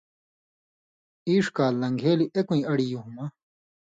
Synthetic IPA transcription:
iːʂkaːlːɐŋɡʱeːliʔekũĩɐɽijuɦuma

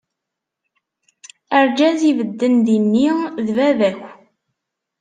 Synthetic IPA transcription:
əɾd͡ʒæzivəd̪ːənd̪inːiðvævæçʷ

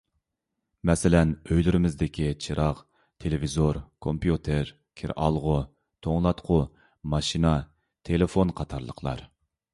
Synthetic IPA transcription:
mɛsɪlɛnøjlyɾɪmɪzd̪ɪkʲʰit͡ʃʰiɾɑq | t̪ʰelɪvizoɾkʰompijut̪ʰeɾ | kʲʰɪ̰ɾʔɑlˠʁʊ | t̪ʰoŋlˠɑt̪qʰʊ | mɑʃinɑ | t̪ʰelɪfonqʰɑt̪ʰɑɾlˠə̰qʰlˠɑ̰ɾ

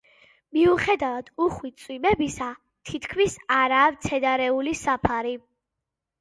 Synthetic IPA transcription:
miuχɛd̪avad̪̥uχwit̪sʼwimɛbisa | t̪ʰit̪ʰkʰmisaɾaːvt̪sʰɛd̪aɾɛulisapʰaɾi

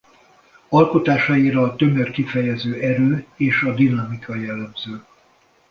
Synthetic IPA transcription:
ɒlko̞t̪aːʃɒjiɾɒːt̪ø̞mørkifɛjɛzøːʔɛɾøːeːʃɒd̪inɒmikʰɒjɛlːɛmzøː

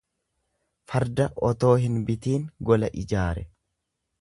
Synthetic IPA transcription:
fɐɾd̪ɐʔɔt̪o̞ːɦɪnbɪt̪iːŋɡɔlɐʔɪd͡ʒaːɾɛ

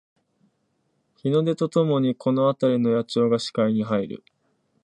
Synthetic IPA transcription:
çino̞d̪e̞t̪o̞t̪o̞mo̞ɲ̟ikʰo̞no̞at̪aɾʲino̞jat͡ɕo̞ːɡaɕi̥kaiɲ̟iɦaiɾɯ̰

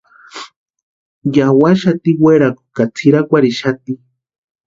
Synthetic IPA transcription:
jawaʃat̪iweɾaku̥kat͡sʰiɾakʷaɾiʃat̪i

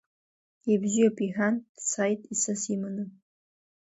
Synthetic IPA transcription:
ibzijopʰʼiħansajtʼisɐsimanɨ

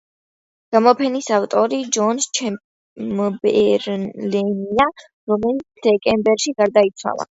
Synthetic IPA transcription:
ɡ̥amɔpʰɛnisaft̪ʼɔɾid͡ʒɔnst͡ʃʰɛ | mbɛɾlɛnia | ɾɔmɛlit̪sʰd̪̥ɛkʼɛmbɛɾʃiɡaɾd̪ait̪sʰwa̰lˠa̰

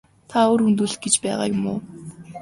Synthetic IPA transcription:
t̪ʰaoːrunt̪uɮt̪̚ɡet͡ɕpæːʁa̰ːjʊmʊː

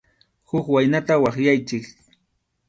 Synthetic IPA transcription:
hʊkwajnat̪awɑχjajt͡ʃɪk

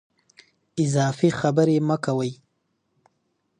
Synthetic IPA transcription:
ɪzɑːfixabəɾeməkawəj

